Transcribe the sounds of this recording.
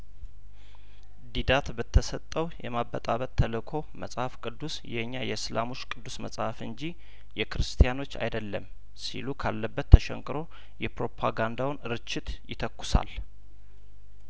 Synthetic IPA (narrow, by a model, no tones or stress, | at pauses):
d̪id̪at̪bɨt̪ʰːəsət̪ʼːəwjɛmabːət̪ʼaβət̪ʰːələkʰo̞məsʼhafkʼɨd̪ːusjɛɨɲːajɛɨslamo̞t͡ʃːkʼɨd̪ːusməsʼhafɨnd͡ʒi | jɛkɨɾɨst̪ʰijano̞t͡ʃːa̰jd̪əlːəm | sḭlukʰalːəbːət̪ʰːəʃɛ̰ŋkʼɨɾo̞ | jɛpɾo̞pʰaɡand̪awnɨɾɨt͡ʃːɪt̪jɪt̪ʰəkːʊ̥sa̰l